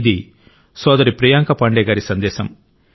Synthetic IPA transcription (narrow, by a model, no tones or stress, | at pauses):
d̪i | sɔːd̪ɐɾipɾijaːŋkɐpɐɳɖɛːɡaːɾisɐnd̪ɛːsɐm